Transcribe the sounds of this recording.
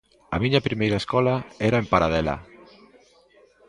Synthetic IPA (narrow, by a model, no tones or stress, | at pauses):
a̰miɲapɾimejɾaeskɔlaɛɾaempaɾaðɛla̰